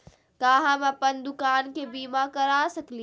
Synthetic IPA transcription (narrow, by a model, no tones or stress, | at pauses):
k̪aːɦãmãpɐnd̪ʊkaːnkʰeːbiːmakɐɾaːsɐkʰli